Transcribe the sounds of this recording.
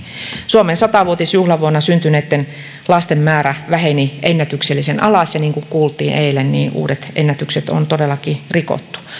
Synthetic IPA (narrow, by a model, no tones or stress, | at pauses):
suomensɑt̪ɑʋuot̪isjuhlɑʋuonːɑsynt̪yneːt̪ːen | lɑst̪emmæːræʋæheniʔenːæt̪ykselːisenɑlɑsjɑniːŋkuŋkuːlt̪ˑiːnʔeilennḭːʔṵːdet̪ʔenːæt̪ykset̪o̰nt̪odelːˑɑkiriko̰t̪ːu̥